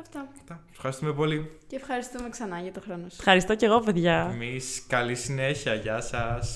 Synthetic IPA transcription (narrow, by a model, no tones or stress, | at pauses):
ɐft̪ɐ | t̪ɐ | fxɐɾist̪umepo̞liceːfxɐɾist̪umeksɐnɐʝɐt̪oxɾonosfxɐɾist̪o̞ce̞ɣo̞ve̞ðʝɐemiskɐlisineçiɐʝɐsɐs